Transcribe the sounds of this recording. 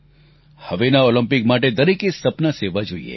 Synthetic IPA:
hɐʋenaoːlə̃mpɪkmaːʈ̬ed̪ɐɾikesɐpnaseʋad͡ʒʱuḭḛː

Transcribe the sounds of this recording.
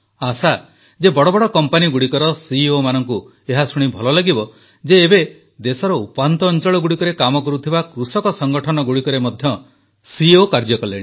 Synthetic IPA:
asa | d͡ʒebɔɽɔbɔɽɔkɔmpaniɡuɽikɔɾɔsiomanɔŋku | eɦasuɽ̃ibʱɔlɔlaɡibɔ | d͡ʒeːbe | d̪esɔɾɔupant̪ɔːnt͡ʃɔɭɔɡuɽikɔɾekamɔkɔɾut̪ʰibakɾusɔkɔsɔŋɡɔʈʰɔnɔɡuɽikɔɾemɔd̪ʱjɔ | siokaɾd͡ʒɔkɔleɽi

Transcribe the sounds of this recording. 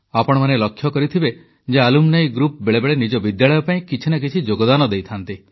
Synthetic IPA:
apɔɽɔmanelɔkʰːjɔkɔɾit̪ʰibe | d͡ʒealumnajɡɾup̚beɭebeɭenid͡ʒɔbid̪jaɭɔjɔpaĩkit͡ʃʰinak̬it͡ʃʰid͡ʒoɡɔd̪anɔd̪ejt̪ʰant̪i

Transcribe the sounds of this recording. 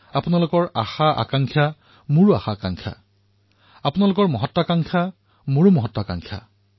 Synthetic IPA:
apunalʊkɔɹaxaʔa̰kaŋkʰja | muɹua̰xakaŋkʰa̰ | apunalʊkɔɹmɔɦɔtːɔakaŋkʰa | moɹumɔɦɔtːɔaka̰ŋkʰja̰

